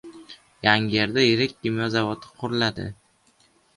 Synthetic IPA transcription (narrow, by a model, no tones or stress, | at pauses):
jaŋʲeɾd̪ajeɾekʲːɪmjɒzavɒt̪ʰɪ̥qʰʊɾlad̪ɪ̰